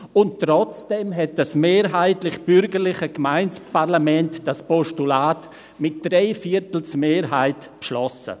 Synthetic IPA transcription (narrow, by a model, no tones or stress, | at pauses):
ʊnttːɾɔt͡sd̥ɛmɦɛt̚d̥asmeːɾɦaɪtlɪχb̥ʏɾɡəɾlɪχəɡmaɪnspaɾlamɛntd̥aspɔʃtulaːt | mɪt̚d̥ɾeɪfiəɾtl̩t͡smeːɾɦaɪt | pʃlɔsə̰